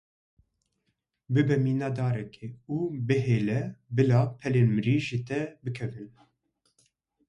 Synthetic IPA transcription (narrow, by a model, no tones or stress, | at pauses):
bɨbɛmiːnɑːd̪ɑːɾɛkʰeuːbɨɦeːlɛbɨlɑːpʰɛleːnmɨɾiːʒit̪ɛbɨkʰɛvɨn